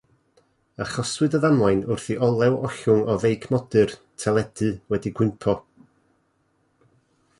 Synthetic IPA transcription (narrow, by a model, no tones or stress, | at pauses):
əχɔswɨdəðamlˠajnʊrθiʔɔlˠɛwɔɬʊŋɔvejkʰmɔdɨr | tʰɛlˠɛd̥ɨwɛdiɡwɪmpʰɔ